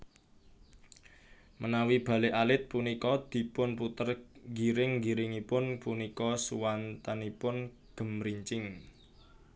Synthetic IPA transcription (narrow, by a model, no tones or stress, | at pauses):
mʔənawib̥ä̤leʔalɪt̪̚punikɔd̪̥i̤pʊnput̪ərɡiɾɪŋɡiɾɪŋipʊnpunikɔsuwant̪anipʊn | ɡ̥ə̤mɾiɲt͡ʃɪŋ